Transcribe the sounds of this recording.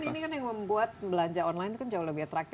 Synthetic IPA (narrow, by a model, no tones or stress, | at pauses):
ninikanjaŋməmbuat̪̚bəlaɲd͡ʒaɔnlajnt̪ukand͡ʒauləbihat̪ɾak̚t̪